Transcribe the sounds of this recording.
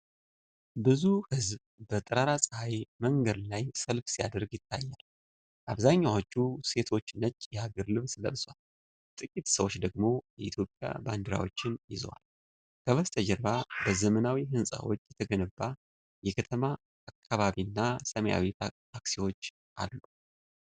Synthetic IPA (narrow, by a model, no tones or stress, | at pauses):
bɨzuhɨzb | bət̪ʼɨɾaɾasʼɨhajməŋɡəd̪lajsəlfsija̰d̪əɾɡjɪt̪ʰːa̰jːal | aβzaɲːawot͡ʃːuse̞t̪ʰo̞t͡ʃːnət͡ʃːjɛaɡəɾlɨβsɨlə̰lswal | t̪ʼɨkʼit̪səwo̞t͡ʃːd̪əɡmo̞jɛʔit̪ʰjo̞pʼja̰band̪ɨɾa̰wo̞̰t͡ʃːɪnjɪz̰wa̰l | kʰəβəst̪ʰəd͡ʒəɾβabəzəmənawiɦɨnsʼa̰wo̞̰t͡ʃːjɛt̪ʰəɡənəbːa | jɛkʰət̪ʰəmaː | kʰːaβaβinːasəməja̰wit̪ʰaaksiwo̞t͡ʃː | ʔa̰lːu